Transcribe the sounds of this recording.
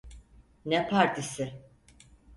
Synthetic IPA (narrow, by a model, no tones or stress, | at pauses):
nɛpʰaɾt̪ʰisɪ